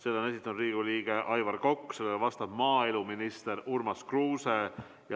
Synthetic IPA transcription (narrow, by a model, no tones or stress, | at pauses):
se̞ːlːone̞s̬ʲit̪ːˑɑnud̪riːɡ̥uliːɡ̥e̞ʔɑjvɑrko̞kːse̞lːeɡɑvɑst̪ɑb̥mɑːeluminist̪e̞ɾurmɑskruːse | jɑ